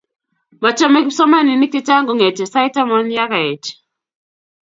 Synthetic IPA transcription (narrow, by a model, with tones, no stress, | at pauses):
ma˨t͡ʃɔ˦mɛ˦ksɔ˦ma˦ni˨ni˦ti˦t͡ʃa˦ŋɡu˨˦ŋɛ˨tɛ˨sa˦jta˦mɔ˦nja˦kɛ˨t͡ʃ